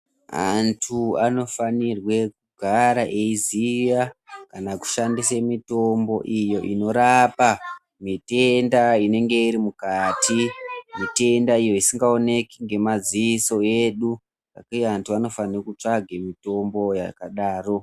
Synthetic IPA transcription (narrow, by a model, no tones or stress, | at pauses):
a̰ntʰuano̞fanirwe̞k̚uɡʱaɾaʔeizijakanaku̥ʃandisemito̞mbo̞ʔijo̞ʔino̞ɾapa | mite̞ndaine̞ŋɡe̞iɾimukatʰimite̞ndaijo̞isiŋɡao̞ne̞kiŋɡe̞maziiso̞eɗu | ra̰kujeantuano̞fanirokut͡ʂaɡʱemito̞mbo̞ja̰kaɗaːro̞